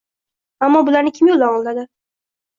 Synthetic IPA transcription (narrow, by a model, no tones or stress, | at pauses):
amːɒbʊlaɾnɪkʲʰɪmjolˠd̪anɒlˠd̪ad̪ɪ